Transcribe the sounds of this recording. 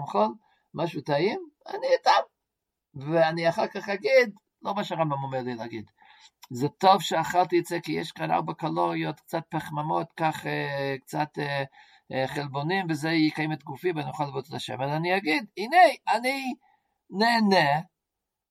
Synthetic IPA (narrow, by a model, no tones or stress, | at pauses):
mχol | maʃutaima̰niat̪am | veaniaχaʁkaχaɡid̪ | lomaʃaʁambamomeʁlilɛaɡid̪ | zeto̞vʃeaχalt̪iat͡sekijḛʃkana̰ʁbakaloʁiot̪k̚t͡sat̪̚paχmamot̪kaχekt͡sat̪e | χelbonimvezeikajemet̪ɡufimvanijoχalavot͡slaʃemazaniaɡid̪inejani | neːne